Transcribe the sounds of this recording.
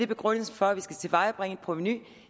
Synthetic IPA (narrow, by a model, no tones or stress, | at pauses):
e̝b̥e̝ɡ̥ʁɔn̰l̩sn̩fɒ̽æʋisɡ̥æt͡sʰe̝lʋɑ̈ɪ̰ɒb̥ʁeŋəpʰʁo̝ʋeny